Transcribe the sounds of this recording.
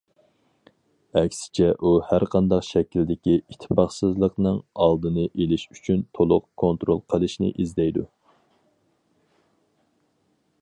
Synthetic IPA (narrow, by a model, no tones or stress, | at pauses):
ɛkʲsɪ̥t͡ʃʰɛʔuhæɾqʰɑnd̪ɑqʃɛkʲild̪ɪkʲiit̪ʰːpɑχsɨzlˠəqnɨŋɑlˠd̪ɨnɨʔelɪʃyt͡ʃʰynt̪ʰolˠʊ̰qkʰont̪ɾolˠqʰəlˠɨʃnɪ̰ʔizd̪ɛjd̪ṵ